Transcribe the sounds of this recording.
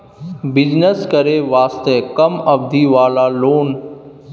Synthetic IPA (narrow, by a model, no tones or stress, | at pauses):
bɪd͡ʒnəskəɾeʋaːst̪ekəmɐbd̪ʱiːʋaːlaːloːn